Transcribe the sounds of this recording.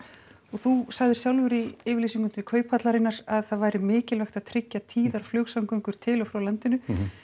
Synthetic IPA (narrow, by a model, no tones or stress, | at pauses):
ɔɣθusaɣðɪɾ̥sjawlvʏɾiɪːvɪɾlisiŋkʏnt̪ɪkʰœːɥpat̪laɾɪnːaɾaðθaðvajɾɪmɪːcɪlvɛxt̪aðt̪ʰɾɪcːat̪ʰiːðaɾ̥flœːksawŋkœŋkʏɾ̥t̪ʰɪlɔfɾawlant̪ɪnʏ